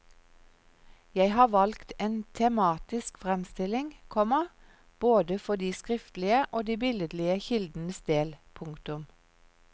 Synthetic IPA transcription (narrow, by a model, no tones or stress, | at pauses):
jæɪhɑːʋɑlkt̪eːnt̪ʰɛmɑːt̪ɪskfʁɛmst̪ɪlɪŋkʰɔmə | b̥oːd̪əfɔd̪iːskʁɪft̪lɪəʔoːd̪iːbɪləd̪lɪəçɪld̪n̩əsd̪eːlpʰʊŋkt̪ʊm